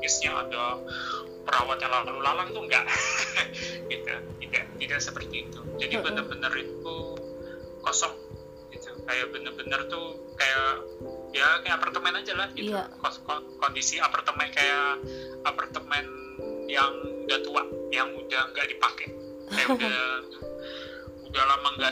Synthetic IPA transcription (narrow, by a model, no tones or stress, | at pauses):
kɪsɲaʔa̰da | pəɾawat̪jaŋlaalulalaŋt̪uŋɡa̰ʔ | ɡit̪ṵt̪idaʔt̪idaʔsəpərt̪iːt̪ud͡ʒadibənərbənəɾit̪u | kosɔŋ | ɡ̥it̪ukajaʔbənəbənərt̪u | kajaʔjakajaapart̪əmɛnad͡ʒalahɡit̪ukkɔkondisiapart̪əmɛnkaja | apart̪əmɛn | jaŋdat̪uaʔjaŋudahŋɡaʔdipakɛ | kajauda | udahlamaŋɡa